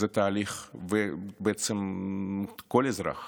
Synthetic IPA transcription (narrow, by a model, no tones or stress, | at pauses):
zet̪aːliχvebeet͡sem | kolezɾa̰χ